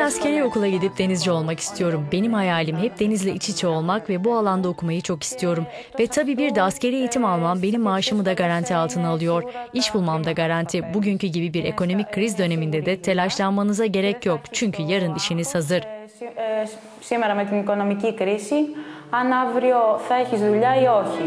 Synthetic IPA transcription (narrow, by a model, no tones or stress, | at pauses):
nascʰe̞ɾio̞kulˠaɟid̪ip̚d̪e̞nizd͡ʒɛo̞lˠmaki̥st̪ʰijo̞ɾumbe̞nimhajaːlʲimɦɛp̚d̪e̞nizlʲɛʔit͡ʃʰit͡ʃʰɛo̞lˠmakvɛbualˠand̪ao̞kumajɯt͡ʃʰo̞ki̥st̪ʰijo̞ɾum | vɛt̪ʰabiːbiɾd̪asce̞ɾie̞jit̪ʰimalˠmambe̞nimːaːʃamɯd̪aɡaɾant̪ʰialˠt̪ʰɯnaalˠɯjo̞ɾiʃbulˠmamd̪aɡaɾant̪ʰibuɟyɲcyɟibibiɾe̞̰ko̞no̞mickːɾizid̪ø̞ne̞mind̪ed̪ɛt̪ʰe̞lʲaʃlˠanmanɯzaɟe̞ɾɛcjo̞kt͡ʃʰyɲcʰyjɐɾɯniʃiniz̥hazɯɾ̥ | sime̞ɾɐme̞t̪iniko̞no̞micikɾisi | anavɾio̞θɐeçizðuʎaio̞çi